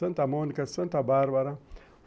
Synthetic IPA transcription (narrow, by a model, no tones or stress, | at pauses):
ɐnt̪amoːnkɐsɐnt̪abaːɾbaɾa